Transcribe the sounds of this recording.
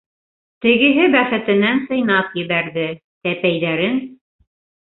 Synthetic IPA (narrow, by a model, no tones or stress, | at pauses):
t̪ɘ̆ɡɘ̆ɦɘbæχɘ̆t̪ɘ̆nænsɤ̆jnɑpjɘ̆βæɾðɘ | t̪æpæjðæɾɘn